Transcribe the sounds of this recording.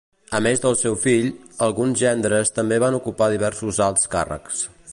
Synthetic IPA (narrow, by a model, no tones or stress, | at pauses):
əmezðəlˠsɛwfiʎəlˠɣunzʒɛnd̪ɾəst̪əmbeβ̞anukupaðiβ̞ɛɾsuzalˠt̪ska̰rə̰ks